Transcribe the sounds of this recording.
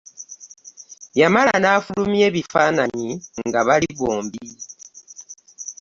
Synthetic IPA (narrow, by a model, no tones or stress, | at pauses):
jamalanaːfulumie̞ːβifaːnaɲiŋɡaβaliβoːmbi